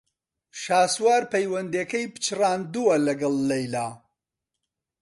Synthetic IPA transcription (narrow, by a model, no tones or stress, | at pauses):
ʃaːswaːɾpɐjwɐnd̪ekɐjpɨ̥t͡ʃraːnd̪uwɐlɐɡɐlːɐjlaː